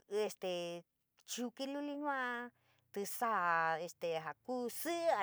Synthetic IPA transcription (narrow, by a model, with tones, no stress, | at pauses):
e˧st̪e˨˧ | t͡ʃu˧ki˧lu˦li˦ɲũ˦ã˧ | t̪ɨ˧sa˦˨e˧st̪e˨ɦa˨ku˦sɨ˦ʔa˧